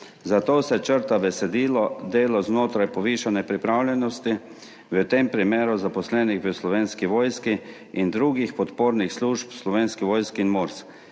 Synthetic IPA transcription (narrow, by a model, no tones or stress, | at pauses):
zat̪oːsɛt͡ʃəɾt̪abɛsɛd̪iːlɔd̪eːlɔznoːt̪ɾajpɔʋiːʃanɛpɾipɾaːwlʲjɛnɔst̪i | ʋət̪empɾimeːɾuzapɔslɛniɣʋəslɔʋeːnskiʋoːjski | ind̪ɾuɡixpɔt̪poːɾnixsluːʃpslɔʋeːnskiʋoːjskinmoːɾsk